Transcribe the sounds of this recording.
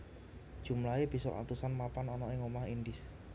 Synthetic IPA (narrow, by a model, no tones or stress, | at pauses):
d̥ʒ̥ṳmlaeb̥i̤sɔ̰ʔa̰t̪usanmapanɔnɔɪŋomahind̪ɪs